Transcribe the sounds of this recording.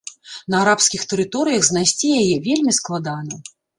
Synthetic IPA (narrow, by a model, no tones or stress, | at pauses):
nɐaɾapskʲixt̪ɛɾɨt̪ɔɾɨjɐɣznajsʲt͡sʲijajɛvʲelʲmʲisklˠad̪anɐ